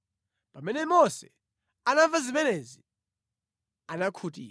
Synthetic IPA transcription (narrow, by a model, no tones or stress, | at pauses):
pamɛnɛmɔsɛ̰ | anaɱvazimɛnɛzi | anakʰutḭː